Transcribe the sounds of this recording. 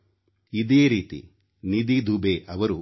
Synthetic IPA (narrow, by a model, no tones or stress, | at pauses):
id̪eːɾiːt̪ḭ | nid̪id̪ʱubeʔɐʋɐɾu